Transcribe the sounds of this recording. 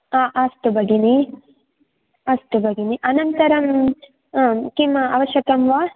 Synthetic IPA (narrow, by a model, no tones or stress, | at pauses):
aːʔɐst̪ubɐɡini | ɐst̪ubɐɡiniʔɐnɐnt̪ɐɾɐm | kimɐɐʋɐʃjɐkɐmʋaː